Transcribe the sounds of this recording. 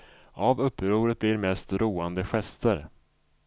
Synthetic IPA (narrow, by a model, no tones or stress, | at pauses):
ʔavɵpːɾuːɾət̪̚bliːɾmɛst̪ɾuːand̪əɧɛst̪əɾ